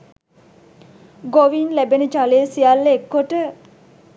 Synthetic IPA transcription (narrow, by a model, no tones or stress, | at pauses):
ɡoʋinlæbenəd͡ʒaleːsijalːekːoʈə